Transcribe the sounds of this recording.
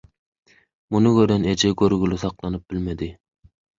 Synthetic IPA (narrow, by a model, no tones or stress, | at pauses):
munɨɡʲøɾɪned͡ʒɛɡʲøɾɡʲylɪsɑqlˠɑnɨp̚b̥ɪlmɪd̪ɪ